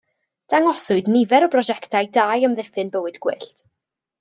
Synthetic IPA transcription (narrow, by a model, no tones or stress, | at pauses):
d̥aŋɔsʊɨdnɪvɛɾɔbrɔʒɛktʰajdajəmðɪfɨnbəwɨdɡ̥wɪɬt